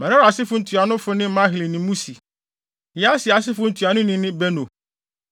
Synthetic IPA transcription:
mã˨ã˦ɾa˨sɪ˦fʊ˦n̩˦tʰu˨a˨nʊ̃˦fʊ˦nɪ̃˦mã˦ɦɪ˨li˨nɪ̃˨mũ˦si˨ | jɛ˨˦a˦sɪ˨a˨s̬ɪ˦fʊ˦n̩˨tʰu˨a˨nʊ̃˦nɪ̃˦nɪ̃˦bɛ˦nõ˨

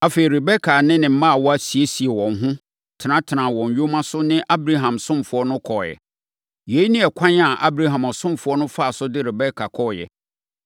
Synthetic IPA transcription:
a˨fe˨i˨ɾe˨bɛ˦kʰa˨nɪ̃˦nɪ̃˨m̩˦mã˦a˨wɔ˦æ˨si˨e˦si˨ɛ˨wɔ̃˨ŋ̩˨˦ɦʊ̃˦ | tʰnã˦tʰɪ˨nã˨wɔ̃˨ɲ˨ɥᶣo˦mã˦sʊ˦nɪ̃˦ʔa˦bɾa˦ɦã˨msʊ̃˦mfʊ˨ɔ˦nʊ̃˦kʰɔ˨jɛ̰˨ | je˨˦i˦nɪ̃˦ɛ˨kʷʰã˦n˦a˨ʔa̰˦bɾa˦ɦã˨mɔ˨sʊ̃˦mfʊ˨˦ɔ˦nʊ̃˦fa˦˨sʊ˦dɪ˦ɾɛ˨bɛ˦kʰa˨kʰɔ˦˨jɛ̰˨

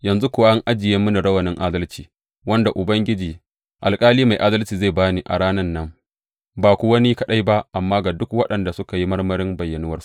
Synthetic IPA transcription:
jɐ˨nzu˦kʷʊ˨wa˦ʔa˦ŋʔa˦d͡ʒɪ˨je˦mʊ˦ni˨ɽɐ˦wɐ˨nɪ˦ŋʔa˦dɐ˦lt͡ʃiː˨ | wɐ˦nda˨ʔʊ˨bɐ˦ŋɡʲɪ˦d͡ʒiː˨ | ʔa̰˨lkʼaː˦liː˦ma˨jʔa˦dɐ˦lt͡ʃiː˨za˦˨baː˦niː˨˦ʔa̰˨ɽaː˦nɐ˦nːɐ˦m | baː˨kʷu˦wɐ˦ni˦kɐ˦ɗa˦jba˦ʔa˨mːaː˦ɡa˨dʊ˦kwɐ˦ɗɐ˨nda˨sʊ˦ka˨ji˦mɐ˦rmɐ˦ɾɪ˦mbɐ˨jːɐ˨nʊ˦wɐ˦rsu̥˦ʔ

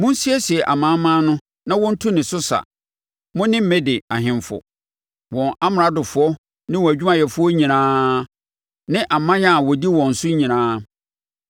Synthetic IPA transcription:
mʊ̃˦n̩˦si˦ɛ˦si˨ɛ˨ʔa˨mãː˨˦mã˦nʊ̃˦ | nã˦wɔ̃˦n̩˦tʰu˦nɪ̃˨sʊ˦sa̰˨ | mʊ̃˦nɪ̃˦m̩˦mɛ̃˦dɪ˨a˨ɦɪ̃˨mfɔ̰˨ | wɔ̃˨nʔa˦m˨a˦dʊ˨fʊ˨ɔ˦ | nɪ̃˦wɔ˨æ˨d͡ʑᶣu˦mã˦˨jɛ˨fʊ˦ɔ˦ɲĩ˨nãː˦ | nɪ̃˦ʔa˨mã˦ja˨wɔ˨di˦wɔ̃˨n̩˨sʊ˦ɲĩ˨nãː˦

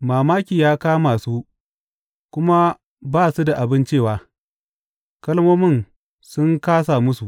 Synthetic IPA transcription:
maː˨maː˦kʲiː˨jaː˦kaː˦maː˨suː˦ | kʷʊ˦ma˦ | baː˦˨su˦da˨ʔa˨bɪ˦nt͡ʃeː˦˨waː˨ | kɐ˦lmoː˦mɪ˦˨n | sʊ˦ŋkaː˦s̬a˨mʊ˦su˨ʔ

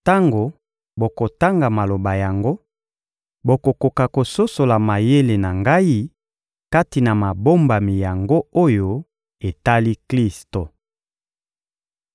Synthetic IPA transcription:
ta˦ŋɡo˨ | bo˨ko˨ta˦ŋɡa˨ma˨lo˨ba˨ja˨ŋɡo˦ | bo˨ko˨ko˨ka˨ko˨so˦so˨la˨ma˨je˦le˨na˨ŋɡa˦i˦ | ka˦ti˨na˨ma˨bo˦mba˨mi˨ja˨ŋɡo˦o˦jo˨ | e˨ta˦li˦kli˦sto˨

